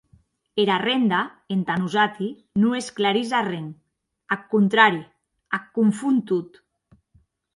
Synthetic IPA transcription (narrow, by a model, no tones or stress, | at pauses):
eɾarend̪a | ent̪anuzat̪i | nuesklaɾizareŋ | akːunt̪ɾaɾi | akːuɱfunt̪ut̪